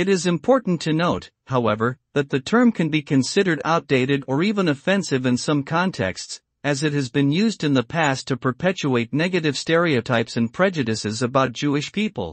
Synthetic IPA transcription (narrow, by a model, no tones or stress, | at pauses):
ɨɾɪzɨ̃mpʰɔɹʔn̩tʰɨnoʊt̚ | haʊɛvə˞ðɨt̪̚ðɨtʰɜ̃˞mkʰɨ̃nbikʰɨ̃nsɪɾə˞ɾa̰ʊt̚d̥eɪɾɨɾə˞ivə̃nɨfɛ̃nsɨvɨ̃nsʌ̃mkʰɑ̃ntʰɛ̰ksts | ɨzɨt̚hɨzbɨ̃njʉzdɨ̃nðəpʰæstʰɨpʰə˞pʰɛt͡ʃueɪtⁿnɛɡɨɾɨv̥stɛɹioʊtʰaɪpsɨ̃npʰɹ̥ɛd͡ʒɨɾɨsɨzɨbaʊt̚d̥ʒ̥uɨʃpʰipl̩ˠ